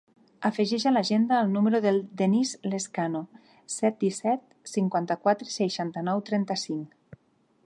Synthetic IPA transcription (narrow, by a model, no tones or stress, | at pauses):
afəʒɛʃalaʒend̪aːlˠnuməɾuðelˠd̪enizleskano | sɛt̪̚d̪isɛt̪̚ | siŋkwant̪akwat̪ɾesejʃant̪ənɔwt̪ɾɛnt̪əsiŋ